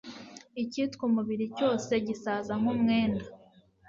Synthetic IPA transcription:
icitkumuβiɾico̞ːse̞ɟisaːzaŋ̥humŋe̞ːnda

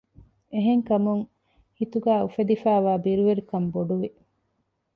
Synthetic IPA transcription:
eɦeŋkɐmuŋ | hit̪uɡæːufed̪ifæːʋaːbiɾuʋeɾukɐmboɖuʋi

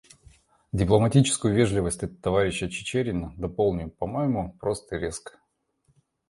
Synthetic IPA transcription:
dʲɪplˠəmɐtʲit͡ɕɪ̥skʊjʊvʲeʐlʲɪvəsʲtʲɛt̪ət̪ːɐvaɾʲɪɕːət͡ɕɪ̥t͡ɕeɾʲɪnəd̪ɐpolˠnʲɪpɐmojɪmʊpɾost̪əɾʲe̞skə̥

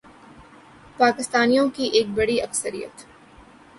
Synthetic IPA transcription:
paːkɪst̪aːnijõkiʔeːk̚bɐɽiɐksəɾḭjə̰t̪

